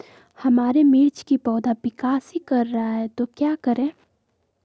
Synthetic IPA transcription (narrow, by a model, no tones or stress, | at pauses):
hɐmaːɾemiːɾt͡ʃkipɔːd̪abɪkaːsɦikɐɾːɐɦaɦɛt̪okjaːkəɾẽː